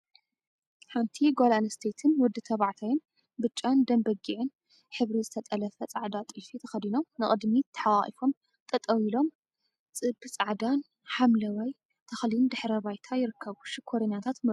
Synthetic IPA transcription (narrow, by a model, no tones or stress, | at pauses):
ħant̪ʰiɡolanɐst̪ʰet̪ʰɨnwɔd̪ːɨt̪ʰɐβaʕt̪ʰajɪn | bɨt͡ʃʼːand̪ɐmbɐɡiʕɨn | ħɨβɾizɨt̪ʰɐt̪ʼɐlɐfɐt͡sʼaʕd̪at̪ʼɨfit̪ʰɐxɐd̪ino̞mnɨχʼɨd̪mit̪ʰɐ̥ħawaχʼḭfo̞m | t̪ʰʼɐt̪ʼɐwilo̞m | t͡sʼɨbt͡sʼaʕd̪an | ħamlɐwaj | t̪ʰɐxlɪnd̪ɨħɾɐβajt̪ʰajɪɾɨkʰːɐβuʃɪkʰoɾɐɲːat̪ʰat̪mɐ